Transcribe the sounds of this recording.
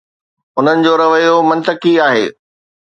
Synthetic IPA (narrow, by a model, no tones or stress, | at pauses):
ʊn̤ənɪ̆d͡ʑoːɾɐʋəjomɐ̃nt̪əkiaːɦḛː